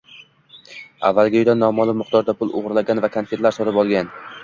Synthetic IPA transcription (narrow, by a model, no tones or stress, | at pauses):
a̰vːalˠɡʲɪojd̪anːɒmɒlˠɪmʊqt̪ʰɒɾd̪apʰʊlˠʊ̰ʁɾlaɡʲanvakʰanfet̪laɾsɒt̪ɪpɒlˠɡʲan